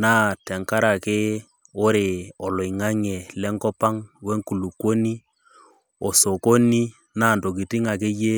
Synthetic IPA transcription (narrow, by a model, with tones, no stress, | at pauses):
naː˦tɛ˨ŋka˦ɾa˨ke˦ | o˦ɾe˨ɔ˨lɔ˨i˨ŋa˦ɲɛ˨lɛ˦ŋkɔ˦pa˦ŋwɛ˦ŋku˨lu˨kwo˦ni˦ | ɔ˨so˨ko˦ni˦ | naː˦˨ndo˨k̬i˨ti˦ŋa˨ke˦je˦